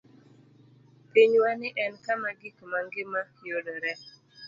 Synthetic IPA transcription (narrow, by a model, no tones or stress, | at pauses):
piɲwanɪʔɛnkamaɡikmaŋɡɪmajodɔɾɛ